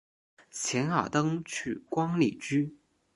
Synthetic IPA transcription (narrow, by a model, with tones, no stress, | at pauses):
t͡ɕʰjɛ˧˥nxɑ̰˨˩t̪ɤ˥ŋt͡ɕʰy˥˩kwɑ˥ŋli˨˩t͡ɕy˥